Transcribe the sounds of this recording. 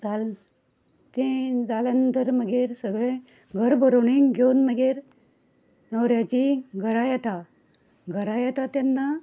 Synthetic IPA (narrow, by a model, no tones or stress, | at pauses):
d͡zal | t̪ẽd͡zalənd̪ʱəɾməɡʱeɾsəɡɭẽ | ɡʱəɾbʱəɾoɳiŋɡjonməɡeɾ | nəwɾjat͡ɕiɡʱəɾajɛt̪a | ɡʱəɾajɛt̪at̪janːa